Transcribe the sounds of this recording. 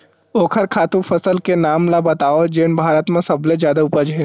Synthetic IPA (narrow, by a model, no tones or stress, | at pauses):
oːkʰəɾkʰaːt̪ũfʰɐsəlkenaːmlabɐt̪aːod͡ʒeːnbʱaːɾət̪mẽsɐblẽzjaːd̪aʊpəd͡ʒɦɛː